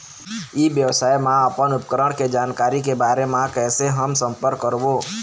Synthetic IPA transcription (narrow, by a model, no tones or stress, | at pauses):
iʋjəʋsaːimãɐpənʊpkɾəɽ̃ked͡ʒaːnkaːɾikebaːɾemãkɛːseɦəmsə̃mpəɾkːəɾboː